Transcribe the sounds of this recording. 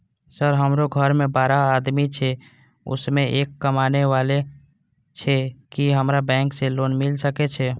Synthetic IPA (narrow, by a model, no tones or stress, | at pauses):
səɾɦəmɾoɡʱəɾmẽbaːɾaːd̪mit͡ʃʰɛ | ʊ̰smẽʔeːkːəmaːneʋaːle | t͡ʃʰɛkiɦəmɾabɛ̃ːŋkseloːnmɪlsəket͡ʃʰɛ